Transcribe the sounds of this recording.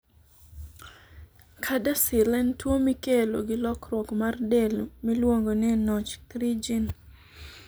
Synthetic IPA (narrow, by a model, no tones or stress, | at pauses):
kʰadasɪlɛntwomikelo̰ɡɪlɔkɾɔkmardɛlmilwoŋɡonɛnɔt͡ʃkɾid͡ʒin